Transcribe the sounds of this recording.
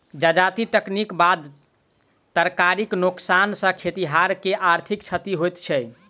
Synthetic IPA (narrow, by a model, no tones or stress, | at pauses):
d͡ʒəd͡ʒat̪iʈəknikbad̪ | t̪əɾkaɾiknuksansə̃kʰet̪iɦaɾkeʔaɾt̪ʰikt͡ʃʰət̪iɦojt̪t͡ʃʰɛ